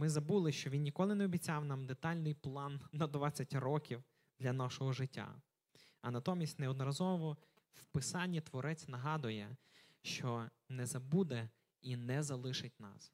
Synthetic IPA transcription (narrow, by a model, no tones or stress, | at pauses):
mɪzɐbulˠɪʃt͡ʃɔʋʲinnʲikɔlˠɪneɔbʲit͡sʲɑwnɑmd̪et̪ɑlʲnɪjplˠɑnːɐd̪ʋɑt͡sʲɐtʲrɔkʲiw | d̪lʲɐnɑʃɔɦɔʒɪtʲːa̰ | ɐnɐt̪ɔmʲisʲtʲnɛɔd̪nɔɾɐzɔʋʋɔ | wpɪsɑnʲːit̪ʋɔɾʔɛt͡sʲnɐɦɑd̪ʊjɛʃt͡ʃɔ | nɛzɐbud̪ɛ | inɛzɐlˠɪʃɪtʲnɑ̰s